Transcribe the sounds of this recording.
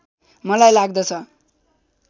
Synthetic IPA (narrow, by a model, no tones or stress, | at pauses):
mʌlajlaɡ̚d̪ʌt͡sʰʌ